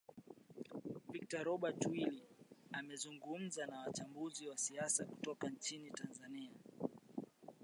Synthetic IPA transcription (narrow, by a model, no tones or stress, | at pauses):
vik̚taɾɔɓatwiliamɛzuŋɡum̩zanawat͡ʃambuziwasiasaku̥tɔkant͡ʃinitanzania